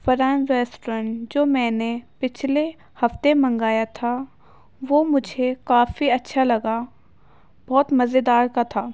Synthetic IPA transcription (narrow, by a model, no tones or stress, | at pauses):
fɐɾãːnɾɛːsʈɾə̃ɳʈd͡ʒoːmɛ̃ːnepɪt͡ʃʰle | hɐft̪emɐ̃ŋɡaːjat̪ʰa | ʋoːmʊd͡ʒʱekaːfiɐtːʃʰalɐɡa | b̥ɔːt̪mɐzed̪aːɾkat̪ʰaː